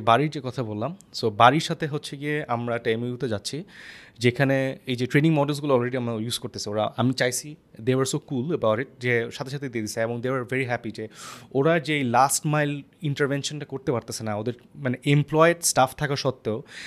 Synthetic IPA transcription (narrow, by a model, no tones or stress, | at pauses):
baɾiɾd͡ʑekɔt̪ʰabolːamsobaɾiɾʃat̪ʰeɦotːɕʰekeamɾaʈajmejut̪ʰed͡ʑatːɕʰid͡ʑekʰaneejd͡ʑeʈɾeniŋmɔɖels̬ɡuloɔlɾeɖiamɾajuzkoɾt̪esʰeoɾaʔamit͡ɕajt͡ɕʰid̪ewaɾsokuləbawʈiʈ̚d͡ʑeʃat̪ʰeʃat̪ʰed̪ed̪isaeboŋd̪ewaɾveɾiɦɛpid͡ʑeoɾad͡ʑeejlasʈmajliɳʈəɾvenʃonʈakoɾt̪epaɾt̪esʰenaod̪eɾmaneʔemplɔjeʈsʈaft̪ʰakaʃɔt̪ːeo